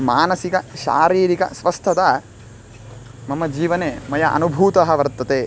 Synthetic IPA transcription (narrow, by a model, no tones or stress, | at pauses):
maːnɐsikɐʃa̰ːɾiːɾikɐ̰sʋɐst̪ʰɐd̪ɐ | mɐmːɐd͡ʒiːʋɐneːmɐjɐʔɐ̰nubʱuːt̪ɐɦɐʋɐɾt̪ːɐt̪e